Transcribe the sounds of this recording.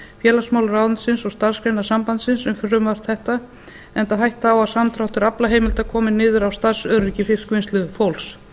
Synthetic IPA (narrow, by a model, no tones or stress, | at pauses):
fjɛːlasmawlʏɾawðʏnsɪnsɔɣst̪aɾ̥skɾejnasampant̪sɪnsɛmfʏrʏmvar̥t̪θɛht̪a | ɛnt̪aɦajht̪aːwaðsamt̪ʰɾawht̪ʏɾaplaɦeːjmɪlt̪akʰɔːmɪnːɪːðʏɾawst̪aɾsœːɾʏɾicɪfɪskvenst̪lʏðfowls